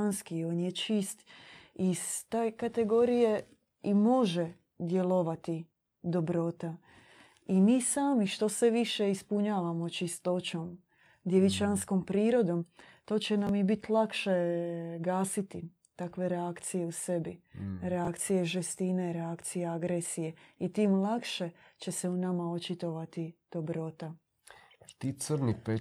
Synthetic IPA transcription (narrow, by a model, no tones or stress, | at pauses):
nskioːnjet͡ʃist̪iz̥t̪ejkat̪e̞ɡo̞ɾije | imo̞ʒe | d̪je̞lˠo̞ʋat̪i | d̪o̞bɾo̞t̪a | imiːsaːmiʃt̪o̞sʋeʋiʃe̞ispuɲaːʋamo̞t͡ʃist̪o̞t͡ɕo̞m | d̪jeʋit͡ʃansko̞mpɾiːɾo̞d̪o̞mt̪o̞ːt͡ɕe̞namibit̪lˠakʃe̞ɡaːsit̪i | t̪akʋe̞ɾeakt̪sije̞use̞biɾeakt̪sijeʒest̪ineɾeakt̪sijeaɡɾesije̞it̪iːmlˠakʃe̞t͡ʃe̞se̞unamao̞t͡ʃit̪o̞ʋat̪id̪̥o̞bɾo̞t̪a | t̪iːt̪sɾnipe